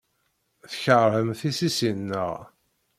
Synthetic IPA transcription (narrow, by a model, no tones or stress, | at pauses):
θəçəɾhəmθisisinːə̰ʁ